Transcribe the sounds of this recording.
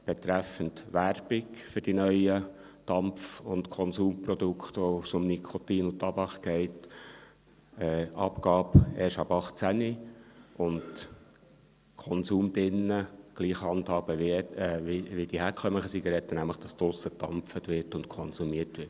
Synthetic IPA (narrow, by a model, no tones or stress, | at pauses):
b̥ɛt̪ɾæfəntʋæɾb̥ɪkfʏɾd̥inœʏə | d̥ɑmfʊntkʰɔnsuːmprɔd̪ʊkχt̪ʋɔsʊmnikʰɔt̪iːnut̪ɑbɑχkɛɪt | ɛʔɑ̰pkɑːpɛːʃɑbɑχt͡sæniʊnd | kʰɔnsuːmd̥ɪnːəɡ̥liːχhɑnt̪hɑːb̥əʋɛiʋid̥ihæːɾkʰχœməχəsiɡəɾɛt̪ːənæmləχd̥ɑst̪ʊsəd̥ɑmpfətʋɪtʊntkʰɔnsumiətʋɪt